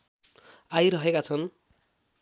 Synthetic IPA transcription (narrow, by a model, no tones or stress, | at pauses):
ajɾʌɦekat͡sʰʌn